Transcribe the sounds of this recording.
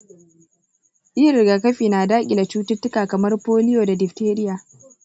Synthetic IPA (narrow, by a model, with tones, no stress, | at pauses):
ʔi˦ɾɪ˨ɡaː˨kɐ˦ɸiː˨naː˨daː˦kʲʼi˨da˨t͡ʃuː˦tɪ˦tːʊ˦kaː˨kɐ˨mɐ˦rpoː˦lɪ˦joː˨da˨dɪ˨ɸteː˦ɾɪ˦jaː˨